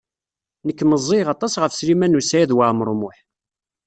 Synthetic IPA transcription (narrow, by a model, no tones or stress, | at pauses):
nəkːməzˤːeʁɑt̪ˤɑsʁəfslimænusæjæðwaʕmɾˤmʊħ